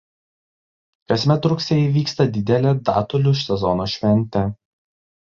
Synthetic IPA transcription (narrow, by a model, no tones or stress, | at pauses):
kɐsʲmʲɛt̪ɾʊksʲeːjɛʋʲiːkst̪ɐd̪ʲɪd̪ʲɛlʲeːd̪ɑ̰ːt̪ʊlʲʊʃʲsʲɛzɔnoːʃʲʋʲɛnʲt̪ʲɛ